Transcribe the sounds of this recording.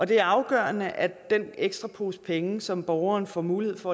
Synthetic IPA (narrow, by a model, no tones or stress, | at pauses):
ʔɒ̽d̥e̝æɐɑ̈ʊɡ̥ɶ̰ːɐɐnəʔæd̥eneɡ̥sd̥ʁɑ̈pʰo̝ːspʰeŋəsɒ̽mb̥ɒʊɐːnfɒmuːlihe̝ð̞̰ˠfɒ̽